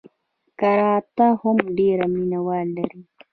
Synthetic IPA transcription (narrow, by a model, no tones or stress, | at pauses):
kɐɾaːt̪ahʊmɖeːɾɐminawaːllːɐɾi